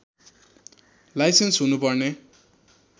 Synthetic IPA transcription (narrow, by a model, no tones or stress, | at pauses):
lajsensɦunupʌrne